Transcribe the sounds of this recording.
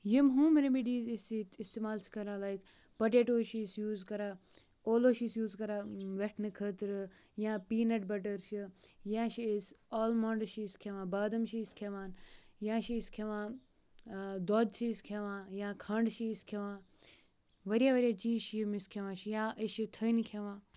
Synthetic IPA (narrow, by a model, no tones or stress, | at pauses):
jimɦũːmiɾemiɖiːzisit̪ʰist̪eːmaːlt͡ʃʰkɐɾãːlajk | pɐʈeːʈoːʃisjuːzkɐɾaː | oːloːʃisjuːzkɐɾaːʋeʈʰnɨkʰət̪ɾɨ | jãːpiːnɐʈ̚bɐʈɐɾʃijãːʃiisɔːlmɐ̃ɳɖʃiːskʰeʋãːbaːd̪ɐmʃiskʰeʋaːnjãːʃiskʰeʋãː | d̪oːd̪t͡ʃʰiskʰeʋãːjãːkʰɐ̃ɳɖʃiːskʰeʋãː | ʋɐɾijaʋɐɾijat͡ʃiːʃmiskʰeʋãːʃijãʔiʃit̪ʰənkʰeʋãː